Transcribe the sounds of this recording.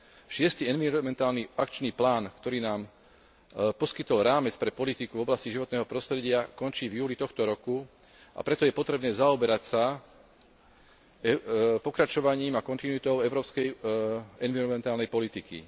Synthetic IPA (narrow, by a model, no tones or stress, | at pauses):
ʃɪɛst̪iːɛnʋiɾɔmɛnt̪aːlniakt͡ʃniːplaːnkt̪ɔɾiːnaːm | pɔskit̪ɔlɾaːmɛt͡spɾɛpɔlit̪ikuvɔblasciʒiʋɔt̪nɛːɦɔpɾɔst̪ɾɛɟɪakɔnt͡ʃiːvjuːlit̪ɔxt̪ɔɾɔku | ʔa̰pɾɛt̪ɔjɛpɔt̪ɾɛbnɛːzaɔbɛɾacsa | pɔkɾat͡ʃɔʋaɲiːmakɔnt̪inuit̪ɔʊɛʊɾɔːpskɛjɛnʋiɾɔmɛnt̪aːlnɛjpɔlit̪ikḭ